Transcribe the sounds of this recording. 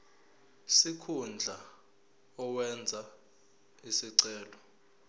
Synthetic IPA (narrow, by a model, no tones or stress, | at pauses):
sikʰund͡ɮʱa | ɔwɛnd͡zʱa | isiǀɛːlɔ